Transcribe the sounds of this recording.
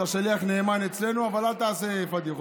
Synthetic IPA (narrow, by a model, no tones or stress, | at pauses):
aʃaliaχneːmane̞t͡sle̞nuavalalt̪aːsevad̪iχ